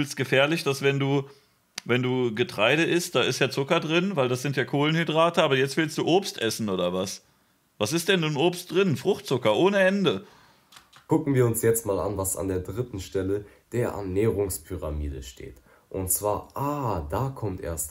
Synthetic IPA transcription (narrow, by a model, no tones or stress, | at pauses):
ylstɡ̥əfɛːɐlɪçd̥asv̥ɛnduː | vɛnduːɡətʁ̥aɪɾəʔɪst̚d̥aːʔɪstjaːt͡sʊkɐdʁɪnvaɪldasz̥ɪntjaːkʰoːlənhydʁaːtəʔaːbɐjɛt͡stv̥ɪlstd̥uːʔoːpstʔɛsn̩ʔoːdɐvas | vasɪstd̥ɛnːuːnʔoːpst̚d̥ʁɪnfʁ̥ʊxtt͡sʊkɐʔoːnəʔɛndə | kʊkŋ̩viːɐʊnsjɛt͡stmaːla̰nvasa̰ndeːɐdʁɪtn̩ʃtɛlə | d̥eːɐʔɛ̰ɐnɛːʁʊŋspʰyʁa̰miːdəʃtḛːt | ʔʊntt͡sv̥aːɐʔaːdaːkʰɔmtʔḛːɐst